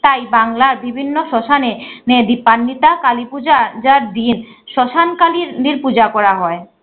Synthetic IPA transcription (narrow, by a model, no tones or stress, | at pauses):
t̪ajbaŋlaɾbibʱinːoʃɔʃanened̪ipːanːit̪akalipud͡ʑad͡ʑaɾd̪inʃɔʃankaliɾd̪iɾpud͡ʑakɔɾaɦɔe